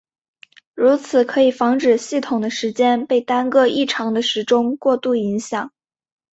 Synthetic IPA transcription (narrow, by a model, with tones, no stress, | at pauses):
ɻu˧˥t͡sʰɹ̩˨˩kʰɤ˧˥i˨˩fɑ˧˥ŋʈ͡ʂɻ̩˨˩ɕi˥˩t̪ʰʊ˨˩ŋd̪ə˦ʂɻ̩˧˥t͡ɕjɛ˥npe˥˩ɪt̪a˥nkɤ˥˧i˥˩ʈ͡ʂʰɑ˧˥ŋd̪ə˧ʂɻ̩˧˥ʈ͡ʂʊ˥ŋkwɔ˥˧t̪u˥˩i˧˥ŋɕjɑ˨˩˦ŋ